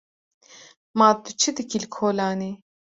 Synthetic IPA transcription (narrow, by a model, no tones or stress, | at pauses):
maːd̪ut͡ʃʰɨd̪ɨkilkʰoːlaːniː